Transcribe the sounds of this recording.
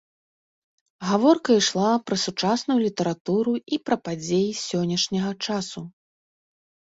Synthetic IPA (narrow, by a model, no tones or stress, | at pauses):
ɣavɔrkɐiʂlˠapɾɐsut͡ʂasnujulʲit̪ɐɾat̪uɾuipɾɐpad͡zʲejisʲɔnʲːɐʂnʲɐɣɐt͡ʂasu